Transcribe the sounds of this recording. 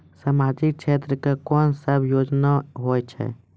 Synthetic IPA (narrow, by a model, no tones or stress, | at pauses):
samaːd͡ʒik̚t͡ʃʰet̪ɾəkakɔːnsəbʱjoːd͡ʒnaɦoːjt͡ʃʰɛ̰